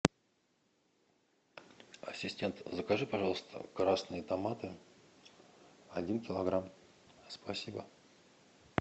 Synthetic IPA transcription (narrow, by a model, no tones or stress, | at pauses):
ɐ̰sʲɪsʲtʲe̞nt̪zəkɐʐɨpɐʐɑlˠəst̪ʰə̰kɾasnɨjət̪ɐmat̪ɨ | ɐdʲinkʲɪlˠɐɡɾam | spɐsʲibə